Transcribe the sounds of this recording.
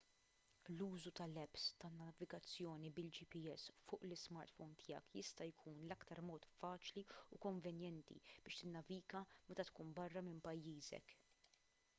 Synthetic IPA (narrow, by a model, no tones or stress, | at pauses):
luːzut̪ɐlɛpst̪ɐnːɐvɪɡɐt͡sːjɔːnibɪld͡ʒipiɛsːfʊːʔlɪsmɐɾt̪fɔwnt̪ʰɪjɐ̰kjɪst̪ɐjkʰuːnlɐkt̪ɐɾmɔːt̪fɐːt͡ʃliukɔɱvɛnjɛnt̪ḭb̥ɪːʃt̪ɪnːɐviːɡɐmɛt̪ɐt̪kuːnbɐrːɐmɪmpɐjːiːzɛ̰k